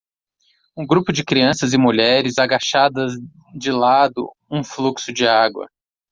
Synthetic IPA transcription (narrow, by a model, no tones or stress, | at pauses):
ũɡɾupʊd͡ʒɪkɾiɐ̃sɐzɪmuʎɛɾɪzaɡaʃad̪ɐz | d͡ʒɪlad̪ʊ̰ | ũfluksʊd͡ʒɪaɡwɐ̰